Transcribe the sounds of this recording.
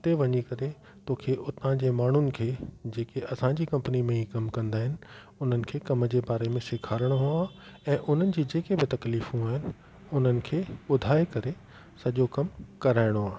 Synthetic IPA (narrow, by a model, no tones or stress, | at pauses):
ʊt̪eʋɐɲikɐɾe | t̪oːkʰeʔʊt̪ãd͡ʑeːmaːɳ̤ʊnɪ̆kʰeːd͡ʑeːkeʔɐsãd͡ʑiːkɐ̃mpənimẽikɐmkɐ̃nd̪aːɦɪnɪ̆ | ʊn̤ənɪ̆kʰeːkɐməd͡ʑeːbaːɾemẽsɪkʰaːɾəɽ̃oɦuaːɛ̃ːʔʊn̤ənɪ̆d͡ʑiːd͡ʑeːkebɪt̪ɐkliːfũaːɦɪnɪ̆ | ʊn̤ənɪ̆kʰeːʊd̪ʱaːekɐɾe | sɐʄokɐmkɐɾaːɪɽ̃oaːɦ